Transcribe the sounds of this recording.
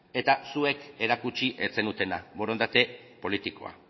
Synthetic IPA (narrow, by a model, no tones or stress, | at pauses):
e̞t̪asue̞ke̞ɾakut͡ʃiʔe̞t͡se̞nut̪e̞nabo̞ɾo̞nd̪at̪e̞po̞lit̪iko̞̰a̰